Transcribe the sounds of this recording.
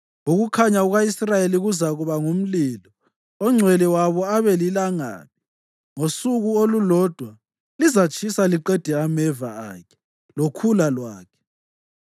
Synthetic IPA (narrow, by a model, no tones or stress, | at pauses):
uɣukʰaɲauɣaisrajeliɣuzaɣuβaŋum̩lilɔ | ɔŋ͡ǀʱwɛlɛwaβɔaβɛlilaŋa̰ːni | ŋosuɣuolulɔd̥ʱwa | lizat͡ʃʰʼisaliǃɛd̥ʱɛamɛvaa̰ːkʰɛ̥ | lokʰulalwaːkʰɛ̥